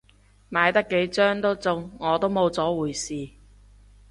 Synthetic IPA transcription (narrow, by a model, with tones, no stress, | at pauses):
maː˨˧jt̪ɐ˥kːe˨˥jt͡sœː˥ŋt̪o˥wt͡sʊ˧ŋːɔː˨˧t̪o˥wmo˨˧wt͡sɔː˨˥wuː˨˩jsiː˨